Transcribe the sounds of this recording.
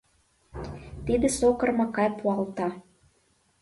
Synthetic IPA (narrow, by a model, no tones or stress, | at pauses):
t̪id̪ĕsokɤ̆rmɑkɑjpuɑlt̪ɑ